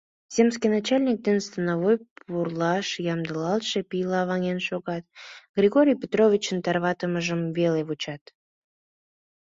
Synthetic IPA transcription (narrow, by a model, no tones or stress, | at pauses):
z̥ʲemskijnɑt͡ɕɑlʲnʲik̚d̪enst̪ənaβojpurlˠɑʃjɑmd̪əlɑlˠʃepijlɑːβɑŋʲenʃoɣɑt̪ɡ̥rʲiɣoɾʲijpʲet̪rovʲit͡ɕənt̪ɑrβɑt̪əməʒəmveleβut͡ɕɑt̪